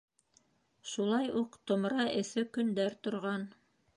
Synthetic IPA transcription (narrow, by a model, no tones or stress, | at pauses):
ʃulˠɑjuqt̪ŏmɾɑʔɘ̆θɘkɵ̆nd̪æɾt̪ŏɾʁɑn